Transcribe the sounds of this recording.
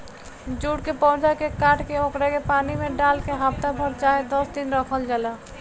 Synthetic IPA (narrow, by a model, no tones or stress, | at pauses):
d͡ʒuːɽkepɔ̃ʊ̃d͡ʒakekaːʈkeokɾekepaːnimẽɖaːlkeɦapt̪abʱəɾt͡ʃaːɦed̪ɔsd̪inɾəkʰəld͡ʒaːla